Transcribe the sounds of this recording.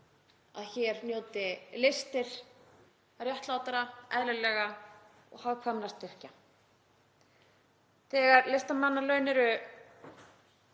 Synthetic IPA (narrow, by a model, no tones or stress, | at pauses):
aðçɛɾnjoːwt̪ɪlɪst̪ɪɾ̥ | rjaht̪laːwt̪aɾaɛðlʏlɛːɣa | ɔ̰ɣhavkʰvanːast̪ɪr̥ca | θɛːɣaɾlɪst̪amanːalœːɥnɪɾʏ